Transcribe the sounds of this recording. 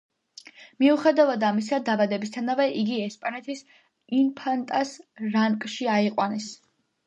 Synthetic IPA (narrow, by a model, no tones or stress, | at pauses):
miuχɛd̪avad̪amis̬ad̪abad̪ɛbist̪ʰanavɛʔiɡiɛspʼanɛt̪ʰis | inpʰant̪ʼasɾaŋkʼʃiaiqʼwanɛs